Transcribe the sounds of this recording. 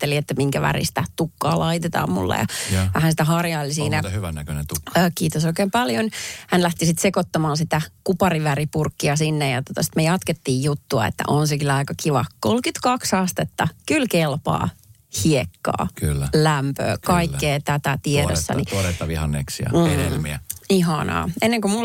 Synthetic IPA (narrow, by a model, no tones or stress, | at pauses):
eliet̪ːæmiŋkæʋæ̰rḭst̪æt̪ukːɑ̰ːlɑit̪et̪ɑ̰ːmmṵlːɑ̰jɑ̰ʋæhænsit̪æhɑrjɑilisiːnæɑhyʋænːækønent̪uːkiːt̪osoikeːmpɑljonhænlæht̪isit̪sekot̪ːɑmɑːnsit̪ækupɑriʋæripurkːiɑsinːejɑt̪ot̪ɑsi̥t̪mejɑt̪ket̪ːiːjjut̪ːuɑ̰ḛt̪ːæ̰ʔonsekylɑikɑkiʋɑ̰kolkyt̪kɑksɑst̪et̪ːɑkylkelpɑ̰ː | hiekːɑ̰ːkylːælæmpø̰ːkkɑikːeːt̪æt̪æt̪ieɾosːɑ̰niɾet̪ːɑʋihɑnːḛksjɑ̰m̩ːḛmːiæ̰iɦɑnɑ̰ːenːeŋkomul